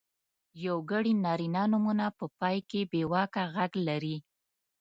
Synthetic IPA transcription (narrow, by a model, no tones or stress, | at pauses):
jawɡəɽinɑɾinɑnumunapəpɑjkebewɑkaɣaɡlaɾi